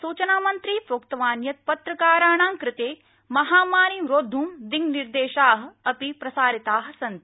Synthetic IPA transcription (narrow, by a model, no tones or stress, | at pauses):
suːt͡ʃɐnaːmɐnt̪ɾiːfoːkt̪ɐʋaːnjɐt̪̚pɐt̪ɾɐkaːɾaːɳ̃ãːŋkɾɪt̪eː | mɐɦaːmaːɾimɾoːd̪ʱuːmd̪iŋɡniɾd̪eːʃaːɦ̆ɐpipɾɐsaːɾit̪aːɦ̆sɐnt̪